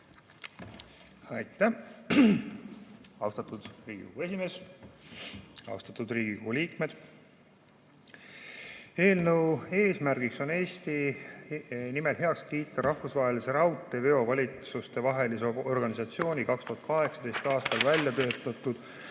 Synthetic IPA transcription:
ɑjt̪ːˑæ | ɑwst̪ɑt̪ːˑud̪̥riːɡ̥ḭkohue̞sʲime̞ːs | ɑ̰wst̪ɑ̥t̪ːˑud̪riːɡ̥iko̞huliːk̚me̞d̪̥ | e̞ːlnəwe̞ːsmærɡikso̞ne̞ːsʲt̪i | nime̞lɦe̞ɑkskiːt̪ːˑɑɾʔɑhfusvɑɦe̞lise̞ɾɑwt̪ˑːeveo̞vɑlʲit̪sust̪e̞vɑɦe̞liseo̞rɡ̥ɑnisɑt̪sio̞ːnʲikɑkst̪uhɑt̪̚kɑɦe̞ksɑd̪̥e̞jst̪ɑːst̪ɑlvælʲjɑt̪ø̞ːt̪ːˑɑt̪ːˑud̪̥

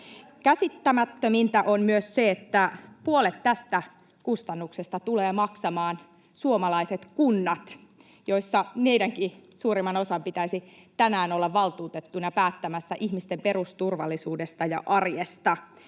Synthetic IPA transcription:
kæsit̪ːæmæt̪ːømint̪æʔonmyøsseet̪ːæpuolet̪tæst̪æ | kust̪ɑnːuksest̪ɑt̪uleːmɑksɑmɑːn | suomɑlɑiset̪kunːɑt̪ | jo̞isːɑmeidæŋkisuːɾimːˑɑno̞sɑmpit̪æisi | t̪ænæːnolːɑʋːɑlt̪uːt̪et̪ːunɑpæːt̪ːæmæsːæʔihmist̪empe̞rust̪urʋɑlːisuːdest̪ɑjɑ̰ʔɑrjest̪ɑ

